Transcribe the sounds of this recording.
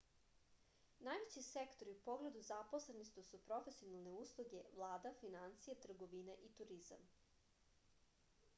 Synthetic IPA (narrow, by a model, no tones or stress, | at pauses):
najʋet͡ɕisekt̪o̞ɾiupo̞ɡle̞d̪uzapo̞slenist̪usupɾo̞fesio̞nalˠne̞uslˠuɡe̞ʋlˠaːd̪afinant̪sijet̪r̩ɡo̞ʋineʔit̪uɾiza̰m